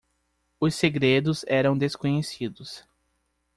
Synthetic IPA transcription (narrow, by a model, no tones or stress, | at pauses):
ʊseɡɾed̪ʊzɛɾɐ̃w̃d̪eskõɲesid̪ʊs